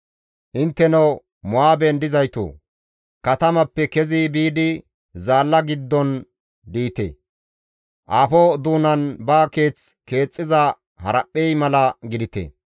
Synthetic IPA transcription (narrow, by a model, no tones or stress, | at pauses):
ʔɪnt̪ːɛnɐw | mʊaːbɛnd̪ɪzɐjt̪o̰ː | kɐt̪ɐmɐpːɛkɛziːbiːd̪ɪ | zaːlːɐɡɪd̪ːɔn | d̪iːt̪ḛː | ʔaːfoːd̪uːnɐnbaːke̞ːt͡ske̞ːt͡sʼːɪzɐ | hɐɾɐpʼːɛjmɐlɐɡɪd̪ɪt̪ḛː